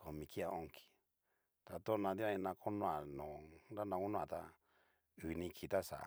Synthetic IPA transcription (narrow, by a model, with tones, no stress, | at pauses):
ko˨mĩ˧ki˦a˧o˧ŋki̥˧ | t̪a˧t̪o˦˧nã˧t̪i˦ã˦˧ĩ˧nã˧kʰo˦nõ˦ã˨nõ˨nɾa˦nã˧ko˦nũ˦˧ã̰˧˨t̪a˧ | u˨˧nĩ˧kʰi˧˨t̪a˦sa̰˨˧